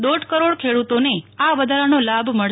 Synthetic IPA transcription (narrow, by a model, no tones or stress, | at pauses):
d̪oɖʱkəɾoɽkʰeɽut̪oneaʋəd̪ʱaɾanolabʱməɭ